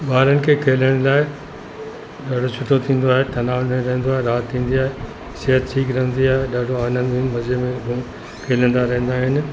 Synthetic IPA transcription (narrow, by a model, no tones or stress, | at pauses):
ɓaːɾənɪ̆kʰeːkʰeːləɽ̃laːɪ | ɗaːɖʱot͡ɕʰʊt̪ʰot̪ʰĩːn̆d̪oaːɦet̪ɐnaːʋnɾɐɦə̃nd̪oaːɦeɾaːt̪ʰːĩːn̆d̪iaːɦe | seɦət̪ʈʰiːkɾɐɦə̃nd̪iaːɦeɗaːɖ̤ʱoaːnə̃nd̪emɐd͡ʑemẽɡʱũ | kʰeːlə̃nd̪aɾɐɦə̃nd̪aːɦɪnɪ̆